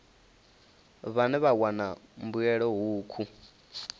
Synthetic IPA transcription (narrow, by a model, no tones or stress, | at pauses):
βanɛβawanambuɛɺɔɦuːkʰu